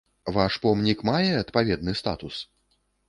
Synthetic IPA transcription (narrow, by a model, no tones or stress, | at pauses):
vaʂpɔmnʲikmajɛɐt̪pavʲɛd̪nɨst̪a̰t̪us